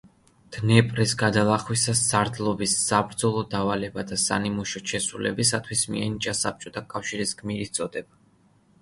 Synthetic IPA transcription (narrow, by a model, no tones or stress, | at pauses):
d̪̥nɛpʼɾisɡad̪alˠaχwisasːaɾd̪lˠɔbisːabɾd̪zɔlˠɔd̪avalɛbad̪asa̰nimuʃɔt͡ʃʰɛsulɛ̰bisat̪ʰwismḭɛnit͡ʃʼasap̚t͡ʃʼɔt̪ʰakʼafʃiɾisɡmiɾit̪t̪sʼɔd̪ɛba